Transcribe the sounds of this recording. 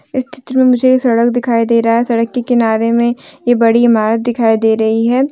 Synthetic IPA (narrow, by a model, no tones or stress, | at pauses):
ɪst͡ʃɪ̥t̪ɾəmẽmʊd͡ʒʱeesɐɽəkd̪ɪkʰaːid̪eːɾɐɦaɦɛsɐɽəkːekɪnaːɾemẽjebɐɽiɪmaːɾət̪̚d̪ɪkʰaːid̪eːɾɐɦiɦɛː